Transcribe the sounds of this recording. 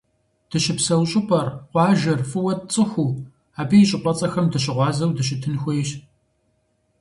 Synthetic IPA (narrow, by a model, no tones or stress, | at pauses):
d̥ɨɕɪpsɐwɕʼɪpʷʼɐrqʷɑːʒɐrfʼɨwɐtt͡sʼɨxʷuː | aːbijɕʼɪqʷʼɐt͡sʼɐxɐmdɨɕ̬ɪʁʷɑːzɐwdɨɕ̬ɪtʰɨnxʷejɕ